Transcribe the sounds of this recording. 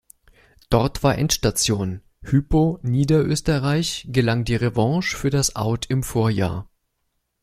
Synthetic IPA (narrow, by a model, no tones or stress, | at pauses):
d̥ɔɐtv̥aːɐʔɛ̰ntʃtat͡sjoːn | hyːponiːdɐʔøːstəʁaɪçɡ̥əlaŋdiːʁevɑ̃ŋʃfyːɐdasʔa̰ʊtʰɪmfoːɐja̰ːɐ